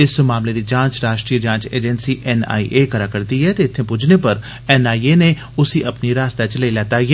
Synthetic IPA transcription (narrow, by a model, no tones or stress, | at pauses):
ɪsmaːmleːd̪iːd͡ʒãːt͡ʃɾaːʃʈɾiːəd͡ʒãːt͡ʃḛːd͡ʒɛnsiːʔɛna̰ːḭʔeːkəɾaːkəɾt̪iːɦɛːt̪eɪt̪ʰːẽːpʊd͡ʒneːpəɾ | ɛːnaːieːneː | ʊsĩːʔɐpniːɾaːst̪aːt͡ʃələilɛːt̪aːjɛ